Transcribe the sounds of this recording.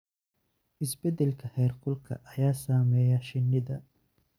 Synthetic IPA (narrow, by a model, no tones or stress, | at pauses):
ʔɪsbɛd̪ɛlkʰɐhɛːrqʊlkʰɐ̰ʔɐjaːsaːmɛːjɐʃɪnːɪðɐ